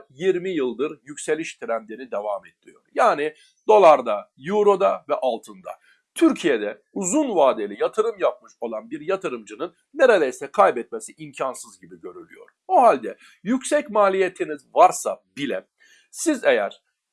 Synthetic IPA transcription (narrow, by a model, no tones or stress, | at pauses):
jiɾmijɯlˠd̪ɯɾjycse̞lʲiʃt̪ʰiɾænd̪eɾnid̪evaːmed̪lʲḭjo̞̰ɾjaːni | d̪̥o̞lˠaɾd̪ajuɾo̞d̪avɛʔalˠt̪ʰɯnd̪a̰ | t̪ʰyɾcʰijed̪ɛ | uzunvaːd̪elʲijat̪ʰɯɾɯmjap̚mɯʃo̞lˠanbiɾjat̪ʰɯɾɯmd͡ʒɯnɯnːeɾed̪ejsɛkʰajbɛt̪̚mesiʔimcʰansɯzɟibiɟø̞ɾylʲy̰jo̞̰ɾ | oɦalʲd̪ɛ | jycsɛcmaːlʲije̞t̪ʰinizvaɾsabilʲɛ̰ | sizejæ̰ɾ̥